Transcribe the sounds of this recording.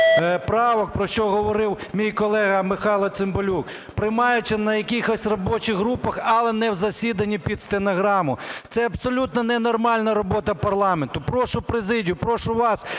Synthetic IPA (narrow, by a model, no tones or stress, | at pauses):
pɾɑʋɔk̚pɾɔʃt͡ʃɔɦɔʋɔɾɪwmʲijkɔlˠɛɦɐmɪxɑlˠɐt̪sɪmbɔlʲuk | pɾɪjmɑjʊt͡ʃɪnɐjɐkʲixɔsʲrɔbɔt͡ʃɪɦɾupɐxɐlˠɛnɛwzɐsʲid̪ɐnʲːipʲid̪st̪enɔɦɾɑmʊt̪sɛɐbsɔlʲut̪nɐnɛnɔrmɑlʲnɐɾɔbɔt̪ɐpɐrlˠɑment̪ʊpɾɔʃʊpɾezɪdʲijʊpɾɔʃʊʋɑs